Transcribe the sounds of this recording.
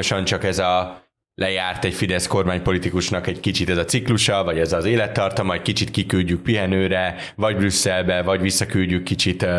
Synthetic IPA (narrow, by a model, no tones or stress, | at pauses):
oʃɒnt͡ʃɒkɛzɒ | lʔɛjaːrt̪ɛɟfid̪ɛsko̞rmaːɲpo̞lit̪ikuʃnɒkɛɟkit͡ʃit̪ɛzɒt̪sikluʃɒvɒɟɛzɒzeːlɛt̪ːɒrt̪ɒmɒckit͡ʃit̪kikylɟyk̚piɦɛnøːɾɛ | vɒɟbrysːɛlbɛvɒɟvisːɒkylɟykːit͡ʃit̪